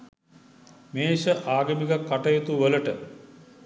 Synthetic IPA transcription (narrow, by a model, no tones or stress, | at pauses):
meːʃəʔaːɡəmiɡɐkːaʈɐjet̪uʋələʈə